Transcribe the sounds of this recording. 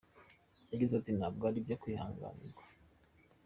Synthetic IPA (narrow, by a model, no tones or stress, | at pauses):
jaɡizatinab̚ɡaɾibjakiha̰ːŋɡa̰nḭɡɡwa